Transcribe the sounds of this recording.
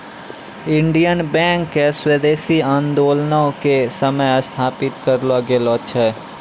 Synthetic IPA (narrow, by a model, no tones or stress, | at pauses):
ɪ̃ɳɖijənbɛ̃ːŋkːeswed̪eːsiãːnd̪oːlnaõkesəməjst̪ʰaːpɪt̪kəɾloɡeːlot͡ʃʰɛː